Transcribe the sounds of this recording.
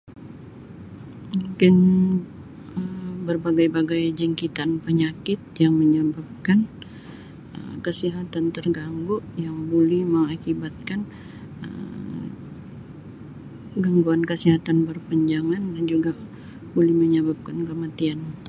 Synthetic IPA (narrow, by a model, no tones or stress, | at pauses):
mukɪn | əbərbaɡajbaɡajd͡ʒəŋkit̪anpəɲakɪt̪̚jaŋməɲəbap̚kan | ə̰mkəsiɦat̪ant̪ərɡaŋɡoʔjaŋbolɛhməŋakibat̪̚kan | ə̰m | ɡaŋɡuankəsiɦat̪anbərpəɲd͡ʒaŋandand͡ʒuɡa | bolɛhməɲəbap̚kankəmat̪ian